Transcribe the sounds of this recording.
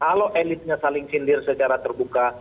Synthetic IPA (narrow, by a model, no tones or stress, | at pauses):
kaloʔelɪt̪̚ɲasalɪŋsindɪrsət͡ʃaɾat̪ərbuka